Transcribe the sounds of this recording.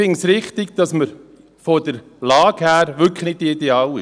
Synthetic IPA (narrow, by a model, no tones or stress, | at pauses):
ɪŋsɾɪχt̪ɪɡd̥̪ɑsməɾ | fod̥əɾ | lɑːɡhæːɾʋʏkχnɪd̚d̥iideɑːlɪ